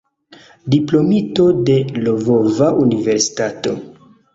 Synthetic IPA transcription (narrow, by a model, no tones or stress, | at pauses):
diplo̞mito̞de̞lovovaʔunive̞ɾsi̥tato̞̰